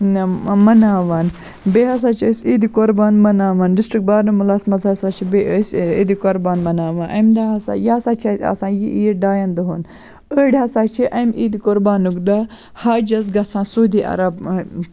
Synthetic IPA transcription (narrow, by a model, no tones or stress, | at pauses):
mɐnaːʋaːn | beɦɐs̬aːt͡ʃʰəsiːd̪ikoɾbaːnmɐnaːʋaːnɖisʈɾik̚baːɾnɨmulaːsmɐzɐsaːt͡ʃʰibeəsḭːd̪ikoɾbaːnmɐnaːʋaːnʔɐ̰md̪aɦɐsa̰jaːsaːt͡ʃʰɐɐ̰sãːjiʔiːɾɖaːjɐnd̪ɐɦoːn | əːɽɦɐsaːt͡ʃʰiʔɐmiːd̪ikoɾbaːnukd̪a | haːd͡ʒɐzɡɐsãːnsuːd̪iːʔɐ̰ɾɐb̚